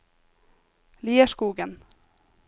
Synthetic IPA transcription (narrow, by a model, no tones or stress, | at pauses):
liːəʃkuːɡən